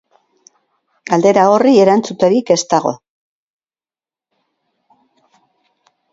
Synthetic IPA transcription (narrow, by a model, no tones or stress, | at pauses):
ɡald̪e̞ɾao̞rie̞ɾant͡sut̪e̞ɾike̞st̪aɣo̞̰